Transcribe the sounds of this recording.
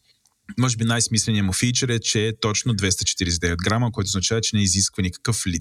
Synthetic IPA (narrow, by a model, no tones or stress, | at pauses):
mɔʒɛbinajsmislɛniɛmʊfit͡ʃɛɾɛt͡ʃɛːt̪ɔt͡ʃnod̪vɛst̪ət͡ʃɛ̥t̪iɾisd̪ɛvɛd̪̚ɡɾaməkoɛjt̪oznɐt͡ʃavɛt͡ʃɛnɛiziskvənikɐ̥kəfli